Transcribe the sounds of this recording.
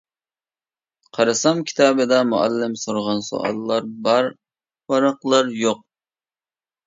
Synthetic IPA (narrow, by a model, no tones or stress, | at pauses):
qʰɑɾɨsɑmkʲʰi̥t̪ʰɑːbɨd̪ɑmṵæ̰lːɪmsoɾʁɑnso̰ʔɑ̰lˠːɑɾbɑɾ | wɑɾɑqlˠɑɾjoq̚